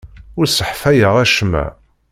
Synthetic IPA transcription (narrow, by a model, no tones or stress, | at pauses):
ʊɾsəħfæjəʁæʃmæ̰